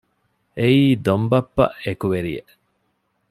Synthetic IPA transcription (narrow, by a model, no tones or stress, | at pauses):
eiːd̪ombɐpːɐ̰ʔekuʋeɾijḛ